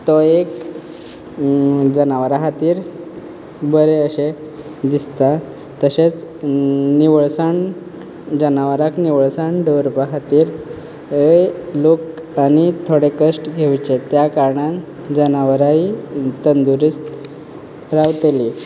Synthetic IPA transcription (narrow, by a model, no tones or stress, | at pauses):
t̪ɔek | d͡zənaʋɾaɦat̪iːɾ | bəɾeəɕe | d̪ist̪a | t̪əɕet͡s | niʋəɭsaɳ | d͡zənaʋəɾakniʋəɭsaɳɖəɾpaɦat̪iːɾ | əlokanit̪ʰoɽekəsʈɡʱewt͡ɕet̪jakaɾɳã | d͡zənaʋɾait̪ənd̪uɾist̪ | ɾaʋt̪eli